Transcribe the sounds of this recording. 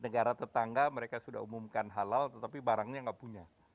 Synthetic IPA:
nəɡaɾat̪ərt̪aŋɡaməɾekasuda̰ɦumumkanɦalalt̪ət̪apibaɾaŋɲaŋɡaʔpuɲa

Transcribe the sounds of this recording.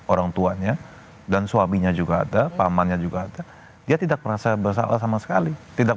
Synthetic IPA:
oɾaŋt̪uaɲa | dansuamiɲad͡ʒuɡa̰ːdapamanɲad͡ʒuɡaːda | diat̪idak̚məɾasabərs̬a̰la̰samasə̥kalit̪idak

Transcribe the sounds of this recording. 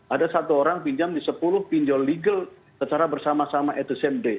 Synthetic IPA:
ʔadasat̪uoɾaŋpiɲd͡ʒamdisəpulʊhpiɲd͡ʒɔlːiɡəl | sət͡ʃaɾabərsamasamaʔɛt̪usɛmde

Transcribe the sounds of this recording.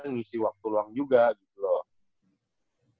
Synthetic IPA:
ŋisiwak̚t̪uluaŋd͡ʒuɡaɡit̪ulɔ

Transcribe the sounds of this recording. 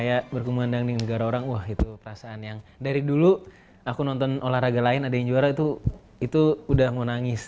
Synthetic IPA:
kajaʔbərkumuandaŋdinəɡaɾaoɾaŋwahit̪upəɾasaanjaŋdaɾidulu | akunɔnt̪ɔnolahraɡalaɪnadajaŋd͡ʒuaɾait̪u | it̪uːdahŋonaŋɪs

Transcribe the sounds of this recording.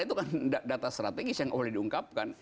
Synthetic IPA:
it̪ukandadat̪ast̪ɾat̪eɡɪsjaŋʔa̰walɛhdiuŋkap̚kan

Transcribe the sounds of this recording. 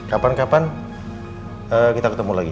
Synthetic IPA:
kapankapan | əkit̪akət̪əmulaɡi

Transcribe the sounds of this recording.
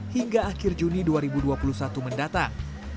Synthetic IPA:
hiŋɡaːkɪrd͡ʒuniduaɾibuduapulusat̪uməndat̪aŋ

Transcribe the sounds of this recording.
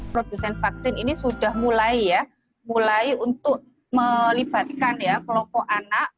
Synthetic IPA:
pɾod̥usɛnfak̚sɪninisud̥ahmulaija | mulaiunt̪ʊʔ | məlib̥a̤t̪̚kanjakəlɔmpɔʔanaʔ

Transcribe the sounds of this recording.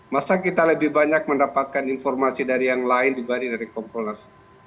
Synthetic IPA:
masakit̪aləbɪhbaɲak̚məndapat̪̚kaninfɔrmasidaɾijaŋlaɪndibaɾidaɾikɔmpɔnərs

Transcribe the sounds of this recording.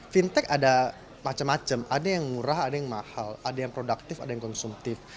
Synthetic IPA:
fint̪ɛkada | mat͡ʃamːat͡ʃamʔadajaŋmuɾahadajaŋmahaladajaŋpɾodak̚t̪ɪfadajaŋkɔnsumt̪ɪf

